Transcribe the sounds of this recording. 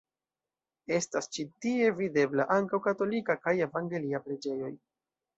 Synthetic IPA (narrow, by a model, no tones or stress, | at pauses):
e̞stast͡ʃitie̞vide̞blaʔaŋkawkato̞likakaje̞vaŋɡe̞liapɾe̞d͡ʒe̞jo̞̰j